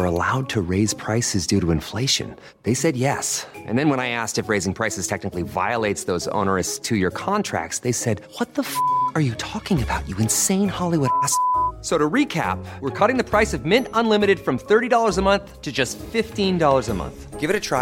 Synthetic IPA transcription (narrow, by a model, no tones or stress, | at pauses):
ə˞ə̰la̰ʊd̚tʰɨɹeɪz̥pʰɹ̥aɪsɨzdʉɾɨɨ̃ɱfleɪʃɨ̰̃n | ðeɪsɛd̚jɛsʔɨ̰̃nðɨ̃nwə̃ñaɪæstɨfɹeɪzɪ̃ŋpʰɹ̥aɪsɨz̥tʰɛk̚nɨkliva̰ɪəlˠeɪtsðoʊzo̰ʊ̃nə˞ɨstʰɨjə˞kʰɑ̃ntʰɹ̥æ̰k̚tsðeɪsɛd̚wʌt̪̚ðəfə˞jɨtʰɔkɪ̃ŋɨbaʊt͡ʃɨɨ̃nsẽɪ̃nhɑlˠiwʊɾæssoʊɾɨɹikʰæ̰p̚wəɹkʰʌɾɪ̃ŋðɨpʰɹ̥aɪsʌvmɪ̃ntə̃nlɪ̃mɨɾɨd̥fɹʌ̃mθɜ˞ɾidɔlˠə˞zəmʌ̃nθtʰɨd͡ʒʌstfɪftĩndɔlˠə˞zəmʌ̰̃nθɡ̥ɪvɨɾɨtʰɹ̥a